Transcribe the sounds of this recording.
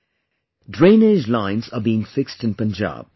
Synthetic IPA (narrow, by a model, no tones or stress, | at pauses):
dɹẽɪ̃ned͡ʒlãɪ̃nzəbiːɪ̃ŋfɪkstɪ̃npə̃nd͡ʒa̰ːb̥̚